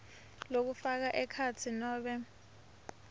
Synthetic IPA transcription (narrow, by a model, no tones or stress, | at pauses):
lok̬ufak̬aʔɛkʰat͡sʰinɔːɓɛ